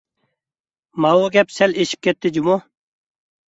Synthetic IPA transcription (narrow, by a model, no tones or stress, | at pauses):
maoɡepseliɕp̚ket̪ːid͡ʑumo